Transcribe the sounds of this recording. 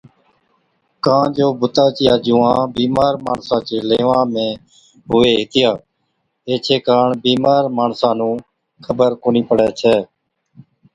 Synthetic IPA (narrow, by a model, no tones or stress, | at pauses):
kãːd͡ʒoːbʊt̪aːt͡ʃɪjaːd͡ʒʊːãːbiːmaːɾmaːɳsãːt͡ʃeːleːʋãːmẽː | ɦʊʋeːɦɪt̪ɪjaː | eːt͡ʃʰeːkaːɳbiːmaːɾmaːɳsãːnũː | kʰəbəɾkoːniːpəɽɛːt͡ʃʰɛː